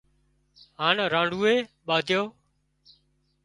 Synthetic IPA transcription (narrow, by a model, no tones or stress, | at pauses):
ɦaːnɾãːɳɖuːeːɓaːd̪ʱjoː